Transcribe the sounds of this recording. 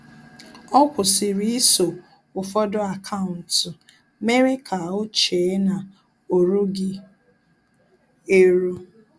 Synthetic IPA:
ɔ˦kʷʊ˨sɪ˨ɾi˦ɪ˦so˨ | ʊ˨fɔ˦dɔ˦a˨kʰa˦ʊ˨n̩˨tʊ˨ | me˦ɾe˦kʰa˨ʊ˦t͡ʃe˨˦na˨ | o˨ɾu˦ɡɪ˦ | e˦ɾo˦

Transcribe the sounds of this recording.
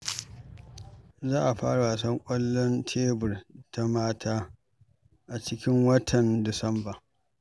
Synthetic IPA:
zaː˦ʔa˨ɸa̰ː˦ɽa˨waː˨sɐ˦ŋkʷʼɐ˦lːɔ˦ntʰeː˦bʊ˨rtʰa˦maː˦tʰaː˦ | ʔa˨t͡ʃɪ˦kʲɪ˦ŋwɐ˦tʰɐ˨ndɪ˨sɐ˦mbaː˨

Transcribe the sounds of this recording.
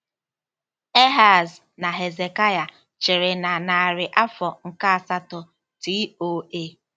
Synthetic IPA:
e˦ɦa˦˨z | na˨ɦe˨ze˨ka˦ja˨ | t͡ʃɪ˨ɾɪ˨na˨na˨a˨ɾɪ˨ʔa˦fɔ˨ŋ̩˨ka˦a˨sa˦tɔ˨ | ti˦o˦e˦

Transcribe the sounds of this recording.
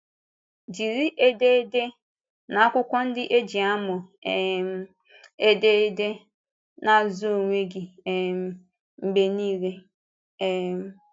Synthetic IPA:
d͡ʒi˨ɾi˦ʔe˦de˦e˦de˦ | na˨a˦kʷʊ˦kʷɔ˦n̩˦dɪ˦ʔe˦d͡ʒi˨a˦mʊ˨e˨m˦ | e˦de˦de˦ | na˨zo˨ŋʷe˦ɡi˨m˦ | m̩˨ɡ͡be˨niː˦ɾe˦ | m̩˨

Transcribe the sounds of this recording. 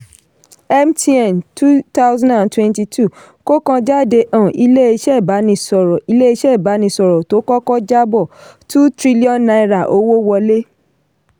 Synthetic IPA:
ɛ˦mti˦ɛ˨mtu˦ta˦wzã˦ã˨ntwɛ̃˦nti˧tʰu˦ | ko˦kã˧d͡ʒa˦˨de˧ʔã˨ʔi˧le˦e˧ʃɛ˦˨ba˨˦nĩ˧sɔ˨ɾɔ˨i˧le˦i˧˦ʃɛ˦˨ba˨˦nĩ˧sɔ˨ɾɔ˨to˨˦kɔ˦kɔ˦d͡ʒa˦bɔ˦˨tũ˦tɾi˦li˦ɔ˦nːa˧i˨ɾa˨ʔo˧˦wo˦wɔ˧le˦

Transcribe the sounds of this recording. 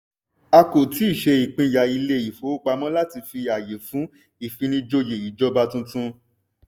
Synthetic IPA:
a˧ko˨ti˨˦i˦˨ʃe˧i˨k͡pĩ˧ja˨i˧le˦i˨fo˨˦k͡pa˧mɔ̃˦la˦ti˧fi˧a˨je˨fũ˨˦ | i˦˨fĩ˧nĩ˧d͡ʒo˧je˨i˨d͡ʒɔ˧ba˧tũ˧tũ˦˧

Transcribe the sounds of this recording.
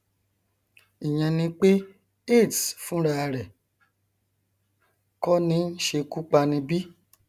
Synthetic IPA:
i˨ɲ̃ã˧nĩ˧k͡pe˦ | e˦˨tfũ˨˦ɾa˧ɾɛ˨ | kɔ˦nĩ˨˧˦n̩˦ʃe˧ku˦k͡pa˧nĩ˧bi˦

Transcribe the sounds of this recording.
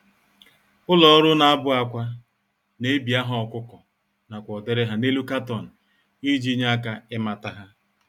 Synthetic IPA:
ʊ˦lɔ˨˦ɾʊ˦na˦a˦bʊ˦a˦kʷa˦ | ne˦bi˨a˦ɦɔ˦ɔ˨kʷʊ˦kɔ˨ | na˨kʷɔ˨de˨ɾɪ˦ɦa˦ne˦lu˦ka˦tɔ˨n̩˨ | i˦d͡ʒi˦ɲa˦a˦ka˦ɪ˦ma˨ta˦ɦa˦

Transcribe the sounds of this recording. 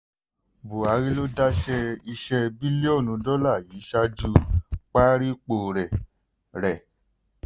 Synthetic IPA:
bo˨a˨˦ɾi˦lo˦da˦ʃɛ˧i˧ʃɛ˧bi˦le˦o˦˨nũ˨˧˦dɔ˦la˦˨jiː˨˦ʃa˧d͡ʒu˦˧k͡pa˦ɾi˦k͡po˦˨ɾɛ˨ | ɾɛ˨

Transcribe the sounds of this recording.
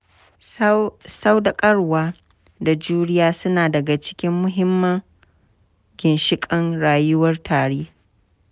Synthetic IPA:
sa˦wda˨kʼɐ˦ɽwaː˦ | da˨d͡ʒuː˦ɽɪ˦jaː˦sʊ˦naː˨dɐ˨ɡa˨t͡ʃɪ̥˦kʲɪ˦mːʊ˦ɦɪ˦mːɐ˦ŋ | ɡʲɪ˨nʃɪ˦kʼɐ˦ŋɽaː˨jʊ˦wɐ˦rtʰaː˨ɽeː˦

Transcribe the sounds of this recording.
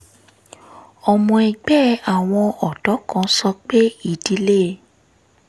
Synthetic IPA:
ɔ˨mɔ̃˧ɛ˧ɡ͡bɛ˦a˨w̃ɔ̃˧ɔ˨dɔ˨˦kã˧˦sɔ˧k͡pe˦i˦˨di˨˦le˦

